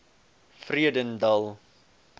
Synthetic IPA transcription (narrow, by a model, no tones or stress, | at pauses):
friədəndɐlˠ